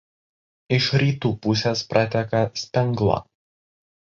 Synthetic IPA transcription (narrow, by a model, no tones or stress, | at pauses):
ɪʃɾʲiːt̪uːpʊsʲespɾɑt̪ʲɛkɐsʲpʲɛŋɡlˠɐ̰